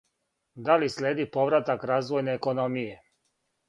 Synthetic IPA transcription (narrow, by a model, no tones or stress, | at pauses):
d̪alislʲeːd̪ipo̞ʋɾat̪akɾaːzʋo̞jneːko̞no̞mije